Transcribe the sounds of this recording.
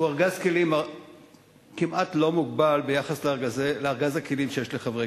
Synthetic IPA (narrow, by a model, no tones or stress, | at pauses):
uaʁɡazkelima | kimʔatlo̞muɡbalbejaχasleaʁɡazeleaʁɡazakelimʃejeʃleχavʁe